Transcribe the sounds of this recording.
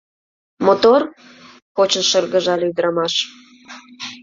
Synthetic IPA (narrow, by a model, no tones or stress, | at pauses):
mot̪or | xot͡ɕənʃərɣəʒɑlyd̪ɾɑmɑʃ